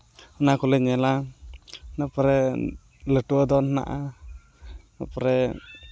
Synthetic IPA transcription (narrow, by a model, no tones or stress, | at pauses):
ɔnakɔlɛɲɛla | napɔɾɛ | ləʈuɔd̪ɔnhna̰ʔa | napɔɾɛ